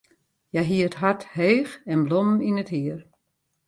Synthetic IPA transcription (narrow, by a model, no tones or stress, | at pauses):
jɛjɦiəətɦartheːxɛnblɔməninəthiər